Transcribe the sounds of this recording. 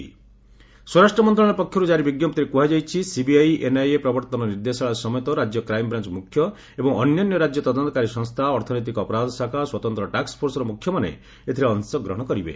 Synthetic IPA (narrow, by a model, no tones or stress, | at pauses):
swɔɾasʈɾɔmɔnt̪ɾɔ̃ɔ̃ɔpɔkʰjɔɾud͡ʒaɾibiɡjɔmpt̪iɾekuɦad͡ʒajt͡ʃʰisibiajʔenajepɾɔbɔɾt̪ɔnɔniɾd̪esɔɭasɔmɔjt̪ɔɾad͡ʒjɔkɾajmɔbɾant͡ʃɔmukʰjɔ | ebɔŋɔnjɔnjɔɾad͡ʒjɔt̪ɔd̪ɔnt̪ɔkaɾisɔŋst̪ʰaɔɾt̪ʰɔnɔjt̪̬ikɔɔpɔɾad̪ʱɔsakʰaswɔt̪ɔnt̪ɾɔʈakspʰoɾsɔɾɔmukʰːjɔmanḛ | et̪ʰiɾeɔnsɔɡɾɔɦɔɽ̃ɔkɔɾibḛ